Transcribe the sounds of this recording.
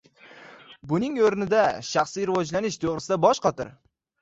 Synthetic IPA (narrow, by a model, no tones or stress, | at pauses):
bʊnɪŋoɾnɪd̪aʃaχsiɾɪvɒd͡ʒlanɪʃt̪ʰoʁɾɪsɪd̪abɒʃqɒt̪ʰɪ̰ɾ